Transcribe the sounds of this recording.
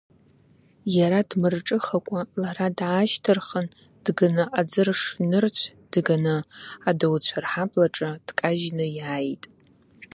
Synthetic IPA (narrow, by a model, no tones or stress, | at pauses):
jaɾadmɨrʈ͡ʂʼɨχakʷʼalaɾadaːʃtʰɨrχən | d̥ɡanɨʔad͡zɨrʂnɨrt͡ɕʷʰ | d̥ɡanɨadowt͡ɕʷʰarħapʼlaʈ͡ʂʼad̥kʼaʒnɨjaːjtʼ